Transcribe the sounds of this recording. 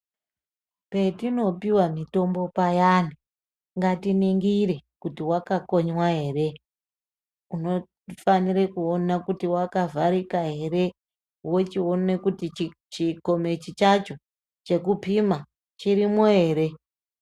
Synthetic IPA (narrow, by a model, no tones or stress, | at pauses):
pe̞tino̞piwamito̞mbo̞pajani | ŋɡatiniŋɡirekutiwakako̞ɲwaɦe̞ːre̞ | uno̞ | faniɾekuonakutiwakavaɾikaɦe̞ɾe̞ | wo̞t͡ʃione̞kuti | t͡ʃiko̞me̞t͡ʃit͡ʃat͡ʃo̞ | t͡ʃe̞kupima | t͡ʃiɾimoɦe̞ːɾe̞